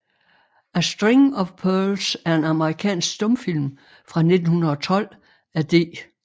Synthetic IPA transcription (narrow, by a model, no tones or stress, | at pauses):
æsd̥ʁeŋɒ̽fpʰœːlsæɐe̝nɑ̈məʁikʰɛ̰ːnsɡ̥sd̥ɔ̽mfil̰m | fʁɑ̈ne̝d̥n̩hunɐð̩ˠɒt͡sʰɒ̽l̰ | æd̥e̝̰ː